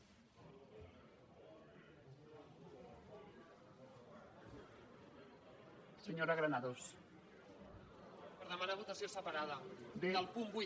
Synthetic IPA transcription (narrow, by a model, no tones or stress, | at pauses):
səɲoɾaɣɾanaðos | pəɾðəmanaβ̞ut̪əsiosəpaɾaðəd̪eəlˠpumbu